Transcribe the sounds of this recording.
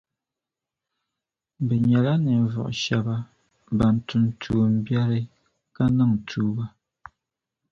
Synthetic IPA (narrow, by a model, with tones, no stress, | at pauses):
bɛ˨ɲɛ˨la˦nɛ˨vɔ̰˨ʔʃɛ˨ba˦ | ba˨n̩˨tu˨ntʰuː˨m̩˦bja˦ɾɨ˦ | ka˦na˦ŋ˨tʰuː˦ba˦